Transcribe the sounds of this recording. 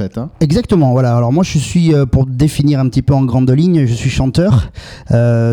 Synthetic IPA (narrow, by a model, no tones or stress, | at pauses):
ɛt̪ɛɡzak̚t̪əmɑ̃vwalaalɔʁmwaʒəsɥiøpuʁd̪efiniʁɛ̃pət̪ipøɑ̃ɡʁɑ̃d̪liɲʒəsɥiʃɑ̃t̪œːʁø